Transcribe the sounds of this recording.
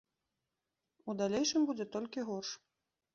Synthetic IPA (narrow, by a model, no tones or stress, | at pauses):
ud̪alʲejʂɨmbud͡zʲɛt̪ɔlʲkʲiɣɔrʂ